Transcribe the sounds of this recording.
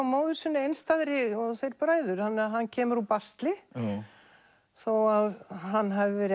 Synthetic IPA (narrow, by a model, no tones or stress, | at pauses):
awmoːwðʏsʏnːɪejnst̪aðɾɪɔθejɾpɾaːjðʏɾ̥θanːɛɾaɦanːcʰɛːmʏɾupast̪lɪ | θɔwaðɦanːɦavɪvɛːɾ